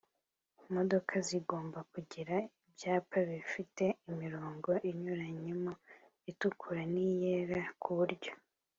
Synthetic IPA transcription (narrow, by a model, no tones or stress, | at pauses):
mo̞do̞kʰaziɡo̞ːmbakuɟiɾaibjaːpaβifite̞imiɾoːŋɡo̞ʔiɲuɾaɲemo | itukʰuɾanijeːɾakʰuβuɾɟo̞̥